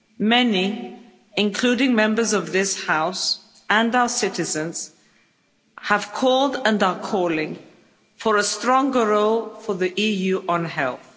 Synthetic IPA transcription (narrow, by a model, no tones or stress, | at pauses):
mɛni | ɨ̃nkʰl̥ʉɾɪ̃ŋmɛ̃mbə˞zʌvðɪshaʊs | ə̃naʊə˞sɪɾɨzɨ̃nz̥ | əv̥kʰɔlˠdə̃nəkʰɔlˠɪ̃ŋ | fə˞əstɹ̥ɔ̃ŋɡəɹoʊlˠfə˞ðiʔijʉʔə̃nɦɛ̰lˠθ